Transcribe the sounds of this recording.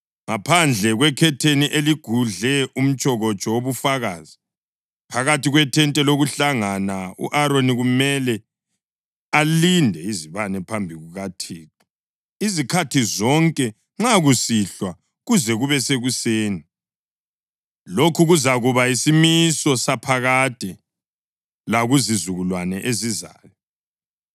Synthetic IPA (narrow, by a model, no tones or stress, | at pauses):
ŋapʰand͡ɮʱɛɣwɛkʰɛtʰeniʔeliɡ̥ʱuɮɛʔum̩t͡ʃʼɔɣɔt͡ʃʼɔwoβufaɣaːzi | pʰaɣatiɣwɛtʰɛntʼɛloɣuɬaŋanaṵʔaɾoniɣumɛlɛ | alindʱɛiziβanɛpʰambʱiɣuɣatʰiːtʼɔ̥ | izikʰatʰizɔŋkʼɛ | ŋ͡ǁaɣusiɬwa | ɣuzɛɣuβɛseɣuseːni | lokʰuɣuzaɣuβaisimisɔsapʰaɣad̥ʱɛ | laɣuzizuɣulwanɛʔeziza̰ːjɔ